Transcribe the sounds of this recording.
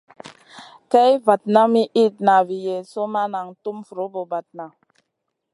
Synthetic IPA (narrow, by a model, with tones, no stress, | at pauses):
tɛ˦jva˨t̚na˦mi˦ʔi˦˨t̚na˨vi˨je˨so˦ma˦na˨ŋtu˦mfu˨ɾo˨˦bo˨ba˨t̚na˨